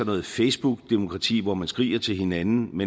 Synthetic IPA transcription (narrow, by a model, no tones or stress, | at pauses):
ɒ̽nɔ̽ːð̩ˠfeɪsb̥uɡ̥d̥emo̝kʰʁɑ̈t͡sʰḭːʋɒmænsɡ̥ʁḭːɐt͡sʰe̝lhe̝nænn̩me